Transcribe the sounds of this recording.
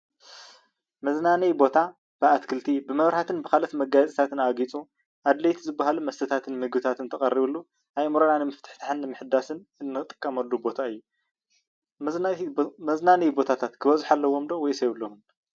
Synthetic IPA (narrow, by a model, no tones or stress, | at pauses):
mɐznanɐjbo̞t̪ʰa | b̥ɨat̪kʰɨlt̪ʰibɨmɐβɾhat̪ʰɨnbɨkalɐt̪mɐɡajt͡sʼit̪ʰat̪ʰɨnaɡit͡sʼu | ʔad̪lɐjt̪ʰizɨbːaɦalumɐst̪ʰɨt̪ʰat̪ʰɨnmɨɡbɨt̪ʰat̪ʰɨnt̪ʰɐχʼɐrːiβɨlːu | ʔajmɾɐnanɨmɨft̪ʰɨ̥ħt̪ʰḁħɨnːɨmɨħɨd̪ːasɨnɨnːɨt̪ʼɨ̥kʼːɐmɐlːubo̞t̪ʰaɨjːu | mɐznanɐjbo̞t̪ʰat̪ʰat̪kʰɨβɐzuħalːɐwo̞md̪owɔjsɐjβɨlːomun